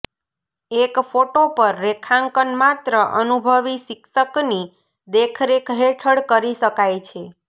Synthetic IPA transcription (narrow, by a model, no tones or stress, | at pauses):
ekfoʈopəɾːekʰãŋkənmat̪ɾəʔənubʱəʋiʃikʃəkni | d̪ekʰɾekɦeʈʰəɽkəɾiʃəkajt͡ʃʰe